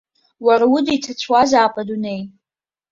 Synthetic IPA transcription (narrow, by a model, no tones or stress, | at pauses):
waɾawʊdijtʰat͡ɕʷʰwazaːpʼadunej